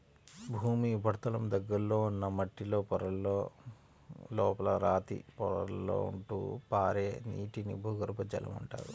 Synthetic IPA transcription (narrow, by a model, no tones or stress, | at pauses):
bʱuːmibʱɐɽt̪ɐlɐmd̪ɐɡːɐɾlo̞ːunːɐmɐʈːilo̞ːpɔɾɐlːoː | lɔːpɐlɐɾaːt̪ḭpɔɾɐ̰lːo̰ːṵɳʈṵːpaːɾeːnḭːʈinḭbʱuːɡɐɾpɐd͡ʒɐlɐ̰muɳʈa̰ːɾu